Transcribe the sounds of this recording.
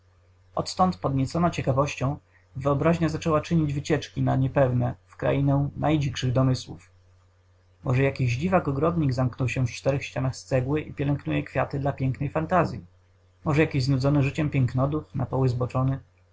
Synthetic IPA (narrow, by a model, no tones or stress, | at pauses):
ɔt̪t̪ɔnt̪pɔd̪ɲɛt̪sɔnat͡ɕɛkavɔɕt͡ɕɔ̃w̃ | vɘɔbɾaʑɲazat͡ʂɛwat͡ʂɘɲid͡ʑvɘt͡ɕɛt͡ʂkʲinaɲɛpɛvnɛfkɾa̰inɛnajd͡ʑikʂɘɣd̪ɔmɘswṵf | mɔʐɛjakʲiʑd͡ʑivakɔɡɾɔd̪ɲiɡzamknɔwɕɛft͡ʂt̪ɛɾɛxɕt͡ɕanaxst̪sɛɡwɘʔipʲjɛlɛŋknujɛkfʲjat̪ɘd̪lapʲjɛŋknɛjfant̪azʲji | mɔʐɛjakʲiʑznud̪zɔnɘʐɘt͡ɕɛmpʲjɛŋknɔd̪ufnapɔwɘzbɔt͡ʂɔnɘ